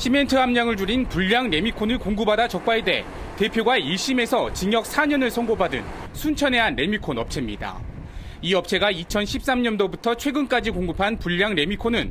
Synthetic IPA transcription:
ɕʰime̞ntʰɯɦamɲaŋɯɭd͡ʑuɾinpuʎːaŋɾe̞mikʰonɯɭkoŋɡubadat͡ɕʌk̚p͈aede̞̰ | te̞pʰjoɡaiɭɕ͈ime̞sʰʌt͡ɕiŋjʌk̚sʰaɲʌnɯɭsʰʌŋɡobadɯn | sʰunt͡ɕʰʌne̞ɦanɾe̞mikʰonʌp̚t͡ɕʰemɲida̰ | iʌp̚t͡ɕʰe̞ɡait͡ɕʰʌnɕʰip̚s͈amɲʌndobutʰʌt͡ɕʰwe̞ɡɯnk͈ad͡ʑikoŋɡɯpʰanpuʎːaŋɾe̞mikʰonɯn

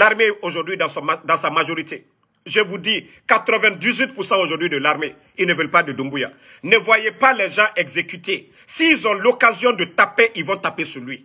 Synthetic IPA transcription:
laʁmeoʒuʁd̪ɥid̪̃sd̪ɑ̃samaʒoʁit̪e | ʒəvud̪i | kat̪ɾəvɛ̃d̪izwɥit̪̚puʁsɑ̃oʒuʁd̪ɥid̪əlaʁme | ilnəvɛlpad̪əd̪ũmbuja̰ | nəvwajepalɛʒɑ̃ʔɛɡzekyt̪e | siːlzɔ̃lokazjɔ̃d̪ət̪apeʔilvɔ̃t̪apesyʁlɥi

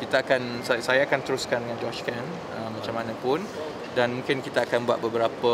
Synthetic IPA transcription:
kit̪aakansasajaːkant̪əɾuskandəŋãnd͡ʒɔt͡ʃkan | əmːat͡ʃamãnə̃pʊn | danmũŋkɪnkit̪aakanbua̰t̪̚bəbəɾapə

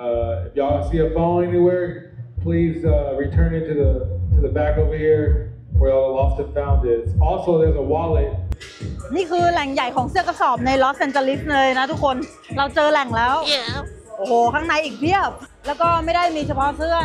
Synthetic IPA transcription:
ʌfjasiəfõʊ̃nɛniwɛɹ | pʰl̥izʌɹitʰɜ̃˞nɪ̃ntʉðətʰɨðɨbækovɪɹ | wə˞lɔstɨ̃nfãʊ̃nðɪsɔlˠsoʊðə˞zəwɑlˠət̚ | niːkʰɯːlɛŋjajkʰɔːŋsɯəkʰasɔːp̚najlɔsɛnt͡ɕəlislɤːjnat̪ʰukʰːon | ɾawt͡ɕɤːlɛŋlɛːw | ʔoːhoːkʰaːŋnajʔiːk̚t̪ʰiəp̚lɛːwkɔːmajdajmiːt͡ɕʰapʰɔsɯɐə

